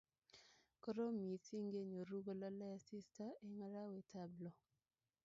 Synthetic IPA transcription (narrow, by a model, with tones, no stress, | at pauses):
kɔ˦ɾo˦mi˨si˦ŋɡe˦ɲo˨ɾu˦ɡo˦˨la˦la˦a˨si˦sta˦e˨ŋa˦ɾa˦we˨tʰa˦blɔ˨